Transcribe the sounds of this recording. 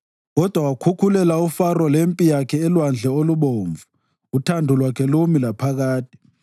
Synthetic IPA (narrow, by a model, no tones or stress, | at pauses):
ɣɔd̥ʱwawakʰukʰulɛlaufarɔlempʼijakʰɛːlwand͡ɮʱɛoluɓoːɱvʱu | utʰandʱulwakʰɛlomilapʰaɣaːtʰʼi̥